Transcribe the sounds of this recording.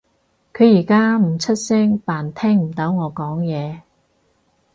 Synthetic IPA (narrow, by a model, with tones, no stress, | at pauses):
kʰɵ˨˧ɥjiː˨˩kaː˥m̩˨˩t͡sʰɐ˥t̚sɛ˥ŋpaː˨˩nt̪ʰɛː˥ŋm̩˨˩t̪ɐ˨˥wŋɔː˨˧kɔː˨˥ŋjɛː˨˧